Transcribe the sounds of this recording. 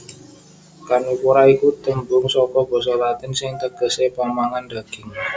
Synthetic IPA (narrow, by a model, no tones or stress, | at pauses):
kanukuɾaikut̪əmbʊŋsɔkɔb̥ɔ̤sɔlat̪ɪnsɪŋt̪əɡ̥ə̤sebamaŋanda̤ɡ̥ɪŋ